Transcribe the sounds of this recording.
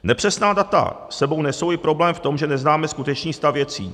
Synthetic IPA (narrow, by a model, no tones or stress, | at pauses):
nɛpr̥ɛsnaːdat̪a̰ | sɛbownɛso̞wɪpɾo̞blɛːmft̪o̞mʒɛnɛznaːmɛskut̪ɛt͡ʃɲiːst̪avvjɛt͡sḭː